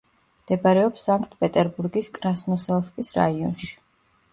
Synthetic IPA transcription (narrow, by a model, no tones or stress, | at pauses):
md̪̥ɛbaɾɛɔpsaŋkʰʼt̪̚ʰpʼɛt̪ʼɛɾbuɾɡiskʼɾasnɔsɛlˠskʼisɾa̰iɔnʃi̥